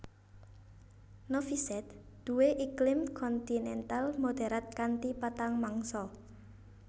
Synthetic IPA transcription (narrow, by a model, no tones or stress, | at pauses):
nofisɛt̪̚ | d̪̥uweʔiklɪmkʰɔnt̪inɛnt̪almod̪̥ɛ̤ɾat̪̚kant̪ipat̪aŋmaŋsɔ